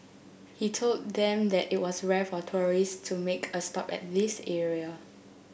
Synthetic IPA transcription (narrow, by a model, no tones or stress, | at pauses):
hitʰoldd̪ɛ̃mdɛtit̚wɔsɹɛfɔtʰɔɹistʰumekʰəstɔpɛ̰t̚ðisɛɹiə